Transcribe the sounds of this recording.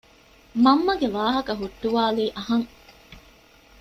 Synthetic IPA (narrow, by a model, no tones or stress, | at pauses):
mɐmːɐɡeʋaːɦɐkɐɦuʈːuʋaːliːʔɐɦɐŋ